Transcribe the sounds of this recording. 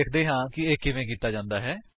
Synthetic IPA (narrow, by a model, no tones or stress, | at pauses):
eːkʰd̪eːɦãːkɪeːkːɪʋẽːk̬iːt̪aːd͡ʒãːnd̪aːɦɛː